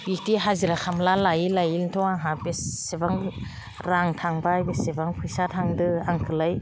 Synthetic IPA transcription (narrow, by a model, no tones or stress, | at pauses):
bik̚tiɦaziɾakʰamlalajilajiltʰɔwaɦabesebaŋ | ɾaŋtʰaŋbajbesebaŋpʰujsatʰaŋdɯaŋkʰɯlaj